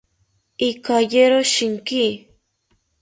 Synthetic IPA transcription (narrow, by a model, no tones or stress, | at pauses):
ikajeɾoʃiŋki